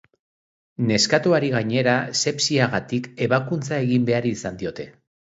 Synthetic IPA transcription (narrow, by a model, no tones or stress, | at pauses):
ne̞skat̪uaɾiɣaɲe̞ɾase̞psiaɣat̪ike̞βakunt͡sae̞ɣimbe̞aɾiːsand̪io̞t̪e̞